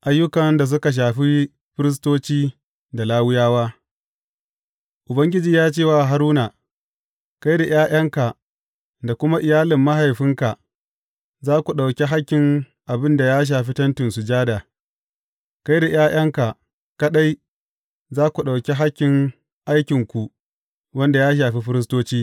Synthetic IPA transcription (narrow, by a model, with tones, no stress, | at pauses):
ʔa˦jːʊ˦kɐ˨nda˨s̬ʊ˦ka˨ʃ̬aː˨ɸi˦ | ɸɪ˦ɾɪ˦s̬toː˦t͡ʃiː˦ | da˨laː˦wʊ˦jaː˦waː˦ | ʔʊ˨bɐ˦ŋɡʲɪ˦d͡ʒiː˦jaː˦t͡ʃeː˦˨waː˨ɦa˦ɾuː˦na˨ | ka˦jde˨j̰ʔaː˦j̰ɐ˦ŋka˨ʔ | da˨kʷʊ˦ma˦ʔɪ˨jaː˦lɪ˨mːa˦ɦa˨jɸɪ˦ŋka˨ | zaː˦kʷu˨ɗa˨wkʲe˦ɦa˦kʲːɪ˨ŋ | ʔa˨bɪ˦nda˨jaː˦ʃ̬aː˨ɸi˦tɐ˦ntɪ˨nsu˨d͡ʒaː˦da˨ | ka˦jde˨j̰ʔaː˦j̰ɐ˦ŋka˨ | ka˦ɗa˦j | zaː˦kʷu˨ɗa˨wkʲe˦ɦa˦kʲːɪ˨ŋ | ʔa˦jkʲɪ˨ŋkʷu˨ | wɐ˦nda˨jaː˦ʃ̬aː˨ɸi˦ɸɪ˦ɾɪ˦s̬toː˦t͡ʃiː˦